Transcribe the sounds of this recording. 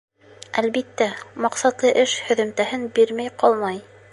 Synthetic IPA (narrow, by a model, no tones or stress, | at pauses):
ælbit̪ːæmɑqsɑt̪lˠɤʔɘʃhɵ̆ðɵ̆mt̪æɦɘnbiɾmæjqɑlˠmɑj